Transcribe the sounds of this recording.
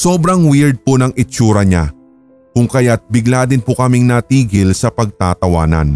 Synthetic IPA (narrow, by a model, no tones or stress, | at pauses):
so̞ːbɾɐŋwɪɹd̪̚ponɐŋɪt͡ʃuːɾɐɲa | kʊŋkɐjat̪̚bɪɡlaːd̪ɪnpʊkɐmɪŋnɐt̪iːɡɪlsɐpɐɡ̚t̪aːt̪ɐwa̰ːnɐ̰n